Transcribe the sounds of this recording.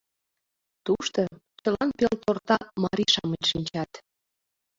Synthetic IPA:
t̪uʃt̪ot͡ɕəlɑnpelt̪ort̪ɑmɑɾʲiʃɑməlʃinʲt͡ɕɑt̪

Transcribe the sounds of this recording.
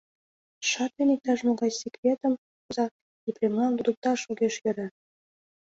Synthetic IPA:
ʃɑt̪enek̚t̪ɑʃmoɣɑjsʲekrʲet̪ə̆m | zɑ | iprʲemlˠɑnb̪ud̪ŭk̚t̪ɑʃuɣeʃjɘ̆ɾɘ̆

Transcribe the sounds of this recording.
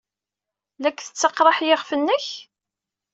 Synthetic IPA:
lækʷːθə̥t͡sːɑqɾˤɑħjɪʁfənːəç

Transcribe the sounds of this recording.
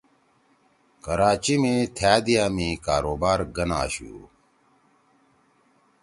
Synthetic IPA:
kɐɾaːt͡ɕimẽːt̪ʰjaːd̪ijaːmẽːkaːɾoːbaːɾɡɐna̰ːɕṵː

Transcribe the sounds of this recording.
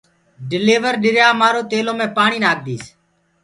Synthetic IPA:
ɖɪleːʋəɾɗɪɾjaːmaːɾoːt̪eːlõːmẽːpaːɳ̃iːnaːk̚d̪iːs

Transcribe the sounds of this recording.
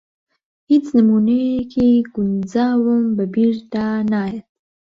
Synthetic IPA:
het͡snamunekʰeɡund͡zɑwəmbabiɾt̪anɑjat̪

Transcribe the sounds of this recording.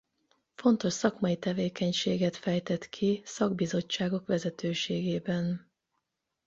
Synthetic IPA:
fo̞nt̪o̞ʃsɒkmɒjit̪ɛveːkɛɲʃeːɡɛt̪fɛjt̪ɛt̪kʰisɒɡbizo̞t͡ʃːaːɡo̞kʋɛzɛt̪øːʃeːɡeːbɛn

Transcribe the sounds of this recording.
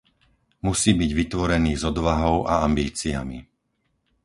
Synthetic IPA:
musiːbiɟʋit̪ʋɔɾɛniːzɔd̪ʋaɦɔʊʔa̰ambiːt͡sia̰mḭ

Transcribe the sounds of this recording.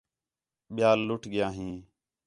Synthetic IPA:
ɓɪjaːlːʊʈʰɠɪjãːɦĩː

